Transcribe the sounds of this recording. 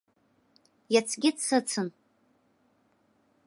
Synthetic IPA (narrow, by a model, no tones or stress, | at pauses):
jat͡sʰɡʲɪt͡sʰsɨt͡sʰɨn